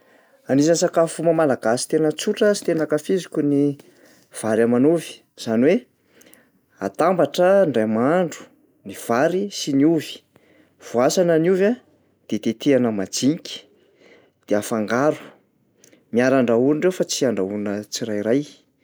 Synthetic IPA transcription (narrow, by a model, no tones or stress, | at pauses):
anizansakafuməmalaɡasi̥t̪enət͡suʈ͡ʂəsi̥t̪enakafizikʲuni | v̥aɾamanuvi̥ | z̥aniwe | a̰t̪ambaʈ͡ʂəɳɖ͡ʐajmaɳɖ͡ʐu̥ | niv̥aɾisinuvi̥ | v̥uasanənuva | d̪̥et̪et̪eanəmad͡ziɲkʲi̥ | d̪̥eafaŋɡaɾu̥ | miaɾaɳɖ͡ʐauniɳɖ͡ʐewfat͡siaɳɖ͡ʐaunət͡siɾajɾaj